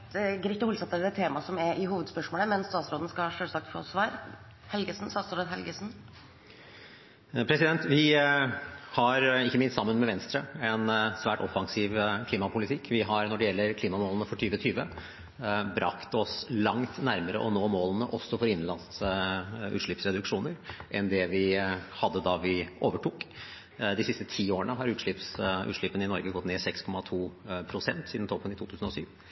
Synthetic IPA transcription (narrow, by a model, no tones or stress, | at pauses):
ɡɾɪt̪ːəʊlsɑt̪ːəɾd̪ɛt̪ʰːeːmɑsɔmɛɾʔɪɦuːʋəd̪spœʂmoːləmɛnst̪ɑːt̪sɾoːd̪n̩əskɑɑʂøːlsɑk̚t̪fo̰ːsʋɑːɾ | hɛlɡəsn̩st̪ɑːt̪soːd̪əd̪ɦɛlɡəsn | pʰɾɛsɪd̪ɛnt̪ʋɪ | hɑɾɪçːəmɪnst̪sɑmːənmɛʋɛnst̪ɾəɛnsʋæːʈɔfɑŋsɪʋkʰliːmɑpʰʊlɪt̪ʰɪkʰːʋɪɦɑɾnɔɖɛjɛlːəɾkʰliːmɑmoːlənəfɔʈʰyːʋət̪ʰyːʋə | bɾɑ̰kt̪ɔslɑŋt̪næɾməɾə̰ʔɔnoːmoːlənəʔɔsːɔfɔɾɪnːlɑns | ʉ̰ːt̪ʂɭɪpsɾɛd̪ʉkʂuːnəɾʔɛnd̪ɛʋɪhɑd̪ːəd̪ɑʋɪʔoːʋəʈʰuːk | d̪ɪsɪst̪ət̪ʰiːoːəɳəɦɑɾʉːt̪ʂɭɪpsʔʉ̰t̪ʂɭɪpːənɪnɔɾɡəɡɔt̪ːneːsɛkskʰɔmɑt̪ʰuːpʰɾʊsɛnt̪siːd̪n̩t̪ɔpːənɪt̪ʰuːt̪ʉːsn̩ɔsyːʋ